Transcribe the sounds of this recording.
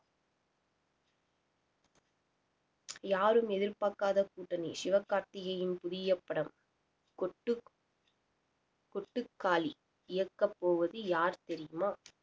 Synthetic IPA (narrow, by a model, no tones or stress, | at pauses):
jaːɾɯmɛðɪɾpaːkaːðɐkuːʈːɐnḭʃɪʋɐkːaːɾt̪ɪɣɐjɪnpʊðɪjɐpːɐɽɐm | kɔʈːɯkːaːli | ɪjɐkːɐpːoːʋɐðɯjaːɾt̪ɛɾɪjɯmaː